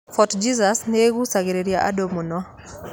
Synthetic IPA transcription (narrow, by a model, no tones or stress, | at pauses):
fɔtd͡ʒizasneɡusaɡeɾeɾjaʔa̰domonɔ